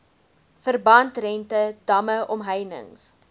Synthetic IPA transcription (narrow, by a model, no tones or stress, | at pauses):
fərbɐntrɛntəd̥ɐməʔɔmɦəjnə̰ŋs